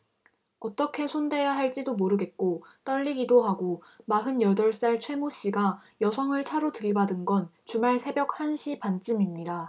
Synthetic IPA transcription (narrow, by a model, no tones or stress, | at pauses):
ʌt͈ʌkʰe̞sʰonde̞jaɦaɭt͡ɕ͈idomoɾɯɡe̞t̚k͈ot͈ʌʎːiɡidoɦaɡomaɦɯnjʌdʌɭs͈aɭt͡ɕʰwe̞moɕ͈iɡajʌsʰʌŋɯɭt͡ɕʰaɾotɯɭbadɯnɡʌnt͡ɕumaɭsʰe̞bjʌk̚hanɕʰipant͡ɕ͈ɯmimɲida